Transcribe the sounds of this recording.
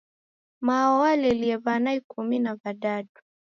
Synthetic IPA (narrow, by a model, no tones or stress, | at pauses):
mawalɛliɛβanaikuminabaɗatu̥